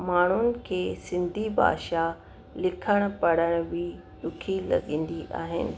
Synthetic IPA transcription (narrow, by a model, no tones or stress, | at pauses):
maːɳ̤ʊnɪ̆kʰeːsɪ̃nd̪ʱibʱa̰ːʃa | lɪkʰəɽ̃̆pɐɽ̤əɽ̃ʋi | ɗʊkʰilɐ̰ɠĩːn̆d̪iʔa̰ːɦɪ̰nɪ̰̆